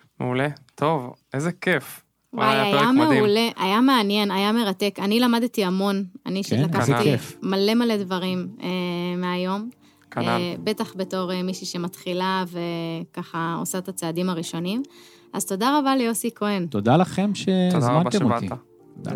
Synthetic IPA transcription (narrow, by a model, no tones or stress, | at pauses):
mḛulet̪ʰo̞vezekef | wajajameule̞ʔajameanje̞najame̞ʁat̪e̞kanilamad̪t̪iamo̞na̰niʃelakkaefmale̞maledvɐʁimemeajo̞m | kebe̞t̪aχbe̞to̞ʁemiʃiʃe̞mat̪χilavekaχao̰saet̪at͡seadimaʁiʃo̞nim | azt̪o̞daʁabalejo̞sikoent̪od̪alaχe̞mʃezmant̪eot̪i | od̪a̰